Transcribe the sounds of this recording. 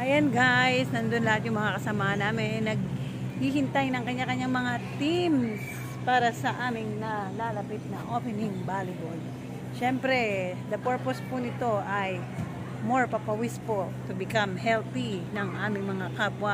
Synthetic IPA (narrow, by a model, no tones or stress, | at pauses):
ʔɐjɐnɡajsnɐnd̪onlɐhat̪̚jʊŋmɐŋakɐsɐmaːhɐnːaːmɪnɛnɐɡ̚ | hihɪnt̪ajnɐŋkɐɲːakɐɲːaŋmɐŋat̪ims | paːɾɐsɐʔaːmɪŋnɐlalɐpɪt̪̚nɐʔopɛnɪŋbalɪbol | ʃɛmpɾɛd̪ɐpɛɹpospʊnɪt̪o̞ʔɐj | moɹpɐpɐwispot̪ʊbɪkamhɛlt̪inɐŋʔaːmɪŋmɐŋakapwɐ